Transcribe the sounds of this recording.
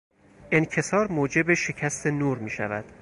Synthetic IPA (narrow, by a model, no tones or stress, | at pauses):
ʔencʰe̞sɒːɾmoːd͡ʒe̞beʃe̞cʰæst̪ʰe̞nuːɾmiːʃæ̰væ̰d̪̥